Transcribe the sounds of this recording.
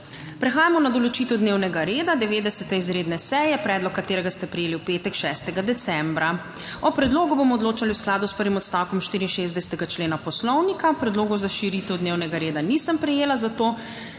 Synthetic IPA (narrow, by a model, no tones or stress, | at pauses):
pɾɛxaːjamɔnad̪ɔlɔt͡ʃiːt̪ɛwd̪neːwnɛɡaɾeːd̪ad̪ɛʋeːd̪ɛsɛt̪ɛizɾeːd̪nɛsɛjɛpɾɛːd̪lɔkːat̪eːɾɛɡast̪ɛpɾɛjeːliuwpeːt̪ɛkʃɛst̪ɛɡad̪ɛt̪sɛmbɾa | ɔpɾɛd̪loːɡubomɔɔd̪loːt͡ʃaliwsklaːd̪uspəɾʋimɔt̪st̪awkɔmʃt̪iːɾinʃezd̪ɛsɛ̥t̪ɛɡat͡ʃleːnapɔslɔwnikapɾɛd̪loːɡɔzaʃiɾiːt̪ɛwd̪newnɛɡaɾeːd̪anisəmpɾɛjeːlazat̪oː